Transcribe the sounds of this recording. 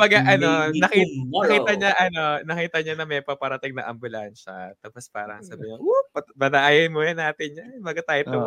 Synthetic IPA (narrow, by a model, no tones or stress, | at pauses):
kmbɐɡaʔɐnonɐkinɐkiːt̪ɐɲɐʔɐnonɐkiːt̪ɐɲanɐmɛjpɐpɐɾɐt̪ɪŋnɐ̰ʔɐmbʊlanʃɐ̰t̪ɐpospa̰ːɾɐŋsɐbɪɲɐupɐbɐnɐʔaːjɐnmojɐnaːt̪ɪnɲɐbɐɡɐt̪aːjt̪ʊ